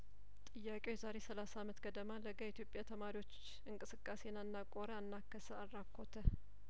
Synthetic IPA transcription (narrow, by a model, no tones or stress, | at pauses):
t̪ʼɨjːakʼewjɛzaɾe̞səlasamət̪ɡəd̪əmaləɡait̪jo̞pʼjat̪ʰəmaɾiwo̞t͡ʃː | ɨŋkʼɨsɨkʼːasenanːakʼoɾəanːakʰːəsəarːakʰːo̞t̪ʰə